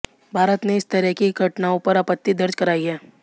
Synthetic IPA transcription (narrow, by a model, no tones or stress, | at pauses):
bʱaːɾət̪neɪst̪ɐɾɛɦkiɡʱɐʈnaːõpɐɾaːpət̪ːid̪ɐɾd͡ʒkɐɾaːiɦɛː